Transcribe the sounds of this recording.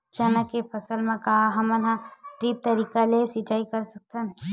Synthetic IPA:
t͡ʃaːnakepʰəsəlmẽkaɦaɦɐmənɦãʈɾiːp̚t̪ɐɾiːkalesit͡ʃaːikəɾsək̚t̪ənɛ

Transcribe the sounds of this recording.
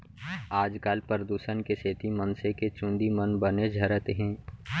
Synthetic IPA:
aːd͡ʒkaːlpəɾəd̪uːʃənkeseːt̪imənseket͡ʃũːnd̪imənbəned͡ʒʱɐɾət̪ɦɛ̃ː

